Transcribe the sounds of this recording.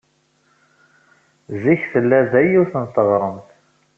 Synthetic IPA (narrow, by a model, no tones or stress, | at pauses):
ziçθəlːæðæjuɾθənət̪ˤːəvˤɾˤəmθ